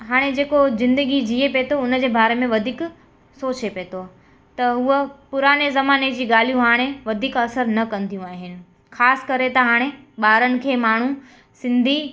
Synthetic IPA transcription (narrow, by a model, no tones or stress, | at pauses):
ɦaːɽ̃ed͡ʑeːkozɪ̃nd̪əɡid͡ʑiepeːt̪ʰoʊnəd͡ʑeːbaːɾemẽʋɐd̪ʱiːk | soːt͡ɕepeːt̪ʰo | t̪ɐɦuəpʊɾaːnezɐmaːned͡ʑiːɠaːl̤ijũɦaːɽ̃eʋɐd̪ʱiːkɐsəɾnɐkɐ̃nd̪ʱijũaːɦɪnɪ̆ | xʰaːsɪ̥kɐɾet̪ɐɦaːɽ̃e | ɓaːɾənɪ̆kʰeːmaːɳ̤ũ | sɪ̃nd̪ʱi